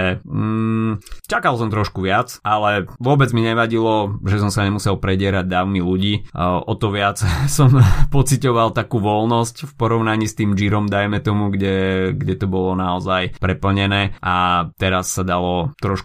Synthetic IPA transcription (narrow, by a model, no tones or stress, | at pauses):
ɛ | t͡ʃakalˠsɔmt̪ɾɔʃkuʋɪat͡sʔalɛʋʊɔbɛd͡zmiɲɛʋaɟilɔʒɛsɔmsaɲɛmusɛlpɾɛɟɪɛɾaɟ̚d̪aːʊmiluɟiːʔɔt̪ɔʋɪat͡ssɔmpɔt͡sicɔʋalˠt̪akuːʋɔlnɔscfpɔɾɔʊnaɲiːst̪iːmd͡ʒiɾɔmd̪ajmɛt̪ɔmuɡɟɛɡɟɛt̪ɔbɔlɔnaɔzajpɾɛpl̩ɲɛnɛːʔat̪ɛɾasːad̪alɔt̪ɾɔʃk